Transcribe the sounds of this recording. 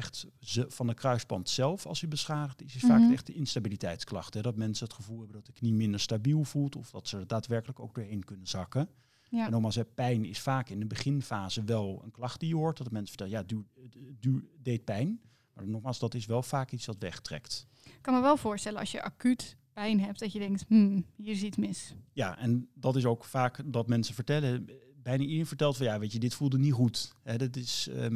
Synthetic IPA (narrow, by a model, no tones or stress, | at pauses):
ɛχtvɑndəkrœɥspɑntsɛlˠfɑ̰lˠsəbəsχaːdəχtɪsɪsfaːktɛχdəɪnstabilitɛjtsklɑ̰χtɦɛdɑtmɛnsənɦətχəvulˠɦɛbəndɑt̚dəknimɪndəɹstabilˠvulˠtɔfd̥ɑtsəəɹdaːtʋɛɹkələko̰wɡ̚dʊːɹɦejnkɵnənzɑkə | ɛnɔχmaːlˠs̬ɛpɛjnɪsfaːkɪndəbəχɪnfaːzəʋɛlˠə̰nklɑχt̚dijəɦʊɹtdɔtmɛnsə̥ətɛlˠjadydyːɹdejt̚pɛjn | ma̰ːnːɔχmaːlˠsdɑtɪsʋɛlˠfaːkitsʋɑtʋɛχtrɛ̰kt | kɑnməʋɛlˠvʊːɹstɛlənɑ̰sjəʔa̰kytpɛjnɦɛptdɑtjədɛŋk̚tmm̩hiːɾɪs̬ismɪsjaʔɛndɑtɪs̬owkfaːkdɑtmɛnsəvəɹtɛlə | bɛjnaʔidenfəɹtɛlˠtfɑnˠjaːʋejədɪtfulˠdəniχutɦɛdɪtɪs